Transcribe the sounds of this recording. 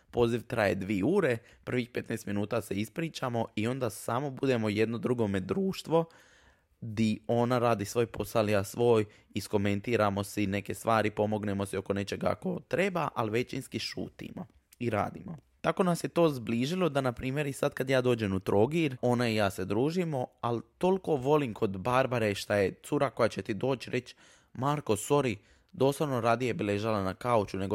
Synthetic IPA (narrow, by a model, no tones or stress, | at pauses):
po̞ːziʋt̪ɾaje̞d̪ʋieuːɾe | pr̩ʋixpe̞t̪neːst̪minuːt̪ase̞ispɾiːt͡ʃamo̞io̞nd̪asamo̞bud̪e̞mo̞je̞d̪no̞d̪ɾuɡo̞me̞d̪ɾuːʃt̪ʋo̞ | d̪io̞naɾaːd̪isʋo̞ːjpo̞salijasʋo̞ːj | isko̞me̞nt̪iːɾamo̞sine̞ke̞st̪ʋaːɾipo̞mo̞ɡne̞mosio̞ko̞ne̞t͡ʃe̞ɡa̰ko̞t̪ɾe̞baʔalʋe̞t͡ʃinskiʃṵːt̪ḭmo̞̰ | iɾa̰ːd̪ḭmo | t̪ako̞nasje̞t̪o̞ːzbliːʒilˠo̞d̪anapɾiːmjeɾisad̪kad̪jaːd̪oːd͡ʑe̞mut̪ɾo̞ɡiɾo̞naijaːse̞d̪ɾuːʒimo̞alt̪o̞lko̞ʋo̞limkʰo̞d̪baɾbaɾeʃt̪ajet̪suɾako̞jat͡ɕe̞t̪id̪o̞ːt͡ʃɾʔe̞t͡ɕ | maːɾko̞so̞ɾi | d̪o̞ːslaʋnoɾaːd̪ijebileʒalanakaut͡ʃune̞ɡo